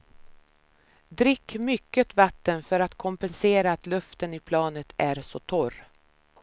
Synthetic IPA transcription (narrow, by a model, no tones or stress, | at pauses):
d̪ɾɪkːmʏkːət̪vat̪ːənfœɾat̪kʰɔmpɛnseːɾaːt̪lɵft̪ənɪpʰlɑːnət̪ʰæɾsɔt̪ʰɔɾ